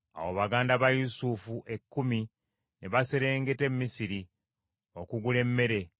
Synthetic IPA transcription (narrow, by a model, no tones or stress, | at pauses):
a̰woβaɡaːndaβajusufuʔe̞kːumi | neβase̞ɾe̞ːŋɡe̞te̞mːisiɾi | o̞kuɡule̞mːe̞ɾe̞